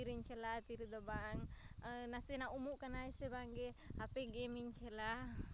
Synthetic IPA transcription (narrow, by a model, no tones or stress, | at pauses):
iɾiɲt͡ʃʰɛlat̪iɾid̪ɔbaŋ | nasɛnaumuʔkanaisɛbaŋɡɛ | apɛɡɛmiɲt͡ʃʰɛla